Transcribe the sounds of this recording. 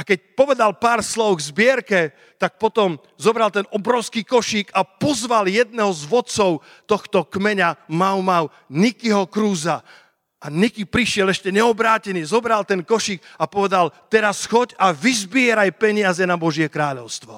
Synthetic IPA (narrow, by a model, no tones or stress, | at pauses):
akɛc̚pɔʋɛd̪alpaːɾslɔʊɣzbɪɛɾkɛ | t̪ak̚pɔt̪ɔm | zɔbɾalt̪ɛnɔbɾɔʊskiːkɔʃikapɔzʋaljɛd̪̚nɛɦɔzʋɔt̪t͡sɔʊ | t̪ɔxt̪ɔkmɛɲamawmaw | nikiɦɔkɾuːza | ʔanikipɾiʃɪɛlɛʃcɛɲɛɔbɾaːcɛniːzɔbɾalt̪ɛnkɔʃik̚apɔʋɛd̪alt̪ɛɾasxɔcaʋizbɪɛɾajpɛɲɪazɛnabɔʒjɛkɾaːʎɔʊst̪ʋɔ̰